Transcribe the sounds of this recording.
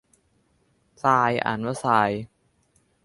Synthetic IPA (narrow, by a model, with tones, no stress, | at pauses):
saː˧jʔa̰˨˩nwa˦˥saː˧j